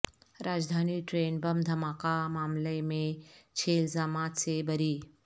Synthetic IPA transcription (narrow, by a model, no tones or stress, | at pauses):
ɾaːd͡ʒd̪ʱaːniʈɾeːnbɐmd̪ʱɐmaːkamaːmlemẽt͡ʃʰeːlzaːmaːt̪sebɐɾiː